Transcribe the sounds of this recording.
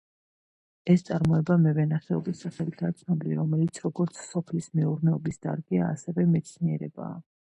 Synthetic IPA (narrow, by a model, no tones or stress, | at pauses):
ɛst̪sʼaɾmɔɛbamɛvɛnaχɛɔbisːaχɛlit̪ʰat̪sʰnɔbiliɾɔmɛlit̪sʰɾɔɡɔɾt̪sʰsɔpʰlismɛuɾnɛɔbisd̪a̰ɾɡɛa̰ːsɛvɛmɛt̪sʰniɛ̰ɾɛ̰ba̰ː